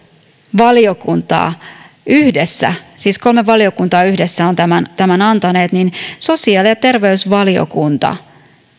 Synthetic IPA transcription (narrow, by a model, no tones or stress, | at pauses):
ʋɑlio̞kunt̪ɑ̰ː | yhdesːæ̰siːsko̞lme̞ʋɑlio̞kunt̪ɑːyhde̞sːæo̞nt̪æmænt̪æmænɑnt̪ɑne̞ːt̪ninso̞siɑːlijɑt̪e̞rʋe̞ysʋɑlio̰kunt̪ɑ̰